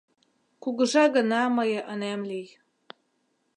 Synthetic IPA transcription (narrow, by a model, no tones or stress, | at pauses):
kuɡə̆ʒɑɣə̆nɑməjəʔənæmlij